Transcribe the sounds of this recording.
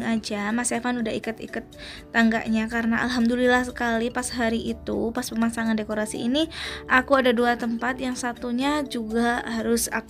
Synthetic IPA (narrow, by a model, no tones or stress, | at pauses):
ŋad͡ʒamasefanudaɦikʊt̪ḭkʊt̪̚ː | aŋɡa̰ʔɲakaɾənaʔa̰lɦamd̪ulilahsəkalipasɦaɾiʔit̪upaspəmasaŋandekoɾasḭḭniʔakuadaduat̪əmpat̪jaŋsat̪uɲad͡ʒuɡaɦaɾʊsa̰k